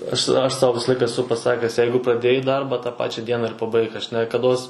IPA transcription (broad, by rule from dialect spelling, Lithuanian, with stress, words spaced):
ˈɐʃ ˈɐʃ ˈsɐʊ ˈʋʲɪsɐ ˈlˠɐɪkɐ ɛˈsʊ pɐˈsɑːkʲæːs ˈjɛɪɡʊ prɐˈdʲeːjɛɪ ˈdɐrbɐ tɑː ˈpɑːt͡ʃʲɛ ˈdʲiɛnɐ ɪr pɐˈbɐɪk ɐʃ nʲɛkɐˈdoːs